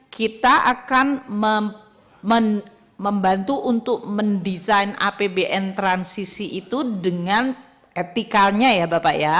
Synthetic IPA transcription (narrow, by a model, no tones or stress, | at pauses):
kit̪aʔakanmə | mən | məmbant̪uʔunt̪ʊk̚məndizaina̰pebeʔɛnt̪ɾansisiʔit̪udəŋan | et̪ikalɲajabapaja